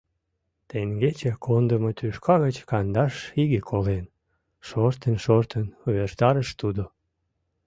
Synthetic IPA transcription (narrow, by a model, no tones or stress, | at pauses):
t̪eŋɡet͡ɕekʰond̪əmot̪yʃkʰɑɣət͡ɕkɑnd̪ɑʃiɣekʰolen | ʃort̪ənʃort̪ənuβert̪ɑɾəʃt̪ud̪o